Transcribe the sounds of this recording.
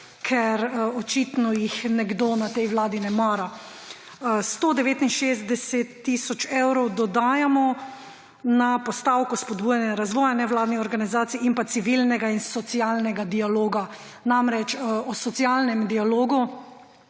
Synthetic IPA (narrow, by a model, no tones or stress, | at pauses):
kʰɛɾɔt͡ʃit̪nɔjixnɛɡd̪onat̪ɛjwlaːd̪inɛmaːɾa | st̪oːd̪ɛʋeːt̪inʃezt̪d̪ɛsɛt̪ːisɔt͡ʃɛwɾɔwd̪ɔd̪aːjamɔ | napɔst̪aːwkɔspɔd̪bujanjɛɾazʋɔːjanɛʋlaːd̪niɔɾɡanizaːt̪siimpasiʋilnɛɡainsɔt̪sialnɛɡad̪ialoːɡa | namɾɛt͡ʃɔsɔt̪sialnɛmd̪ialoːɡu